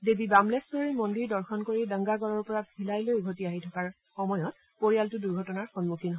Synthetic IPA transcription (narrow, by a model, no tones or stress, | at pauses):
debibamlɛstɔimondiɹdɔɹxʰɔnkoɹidəŋɡaɡɔɹɔɹpɔɹabʱilajlojɡʱotiaɦitʰɔkaɹ | xɔmɔjɔt | poɹijaltʊduɹɡʱɔtɔnaɹxɔnmukʰinɦɔ